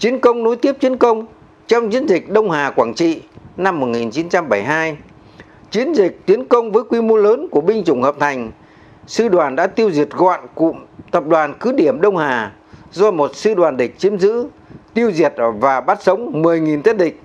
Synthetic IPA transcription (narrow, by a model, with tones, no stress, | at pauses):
t͡ɕi˨˦ənkə˧wŋ͡mno˨˦jt̪i˦˥əp̚t͡ɕ̪i˨˦ənkə˧wŋ͡m | t͡ɕɔ˧wŋ͡mt͡ɕi˧˦ənzï˨˩k̟̚ɗə˧wŋ͡mɦaː˨˩kwaː˧˩nt͡ɕḭ˧˨na˧mːo˨˩t̚ŋi˨˩nt͡ɕi˨˦nt͡ɕa˧mɓə˧˩jɦaː˧j | t͡ɕi˨˦ənzï˨˩k̚t̪i˨˦ənkə˧wŋ͡mvəː˨˦jkwi˧mo˧ləː˨˦nku˧˩əɓï˧ŋt͡ɕʊ˨˧˩ŋ͡mhəː˨˩p̚t̪ʰa˨˩jŋ̟ | sɨ˧ɗwaː˨˩nɗa̰ː˧˥t̪i˧əwzi˨˩ət̚ɣɔ̰˧˨nkʊ̰˧˥˨ŋ͡mt̪ə˨˩p̚ɗwaː˨˩nkɨ˨˦ɗi˧˩əmɗə˧wŋ͡mhaː˨˩ | zɔ˧mo˨˩t̚sɨ˧ɗwaː˨˩nɗï˨˩k̟̚t͡ɕi˨˦əmzɨ̰˧˥ | t̪i˧əwzi˨˩ət̚vaː˨˩ɓaː˦˥t̚sə˨˦wŋ͡mmɨ˨˩əjŋi˨˩nt̪t̚ɗï˨˩k̟̚